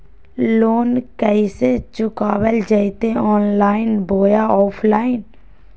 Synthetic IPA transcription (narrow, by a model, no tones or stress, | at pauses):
loːnkəiset͡ʃʊkaːwəld͡ʒəit̪eɔːnlaːɪnbʱoːjaɔːpʰlaːɪn